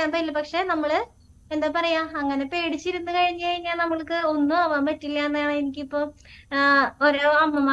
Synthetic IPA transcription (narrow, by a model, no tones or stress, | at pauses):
aːnd̪aɐilːɐpɐkʂe̞nɐmːɐɭɨ | end̪aːpɐrɐjaːɐŋːɐne̞pe̞ːɽit͡ɕːiɾunːukɐɻiɲːɨkɐɻiɲːaːlnɐmːɐɭkɨo̞nːuɐʋaːmeʈːilːaːnːɐaːɳɨenikʲːipːoː | oɾoːɐmːɐmaː